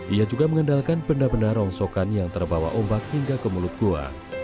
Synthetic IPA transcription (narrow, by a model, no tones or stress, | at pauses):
ʔijad͡ʒuɡaməŋəndalkanpəndapəndaɾɔŋsokanjaŋt̪ərbawa̰ʔombak̚hiŋɡakəmulʊt̪̚ɡ̥oa̰